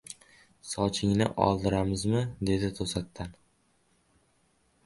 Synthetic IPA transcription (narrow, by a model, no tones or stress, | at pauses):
sɒt͡ʃʰɪŋnɪ̰ʔɒ̰lˠd̪ɪɾamɪzmɪd̪e̞d̪ɪt̪ʰosat̪ʰːan